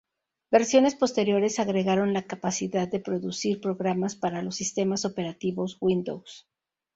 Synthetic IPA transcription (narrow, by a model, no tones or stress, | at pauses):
be̞ɾsjo̞ne̞spo̞st̪e̞ɾjo̞ɾe̞saɣɾe̞ɣaɾo̞nlakapasiðaðːe̞pɾo̞ðusiɾpɾo̞ɣɾamaspaɾalo̞sːist̪e̞maso̞pe̞ɾat̪iβo̞zɣwind̪o̰ws